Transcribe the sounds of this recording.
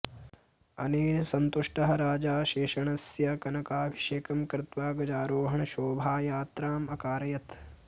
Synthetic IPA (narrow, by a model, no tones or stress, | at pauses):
ɐneːnsɐnt̪uʂʈɐɦɐɾaːd͡ʒaːʃeːʃɐɳɐsjɐkɐnɐkaːbʱiʃeːkɐmkɾɪt̪ʋaːɡɐd͡ʒaːɾoːɦɐɳɐʃoːbʱaːjaːt̪ɾaːmɐkaːɾɐjɐt̪